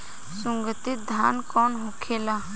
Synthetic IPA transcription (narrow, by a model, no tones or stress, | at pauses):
sʊŋɡət̪ɪt̪̚d̪ʱjaːnkɔːnɦokʰeːlaː